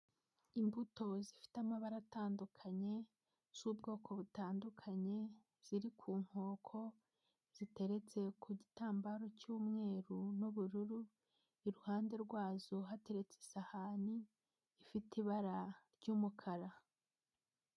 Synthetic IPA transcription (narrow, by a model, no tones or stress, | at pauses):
imbuto̞zifi̥tamaβaɾataːndukʰaɲe̞ | z̥ubɡo̞ːkʰo̞βutaːndukʰaɲe̞ | z̥iɾikʰuːŋ̥ho̞ːkʰo̞ | z̥ite̞ɾe̞t͡se̞kʰuɟitaːmbaɾo̞cuːmŋe̞ːɾunuβuɾuɾu | iɾuhaːnde̞ɾɡwaːzoɦate̞ɾe̞t͡se̥sahaniː | fitiβaɾaɾɟuːmukʰaɾa